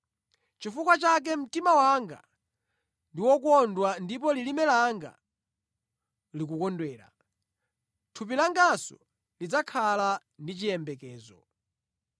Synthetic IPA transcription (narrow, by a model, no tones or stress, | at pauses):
t͡ʃifukwat͡ʃak̬ɛm̩timawaŋɡa̰ | ndiwɔkɔndwandip̬ɔlilimɛlaŋɡa̰ | likukɔndwɛːla̰ | tʰup̬ilaŋɡasɔ | lid͡zakʰala | ndit͡ʃijɛmbɛkɛːzɔ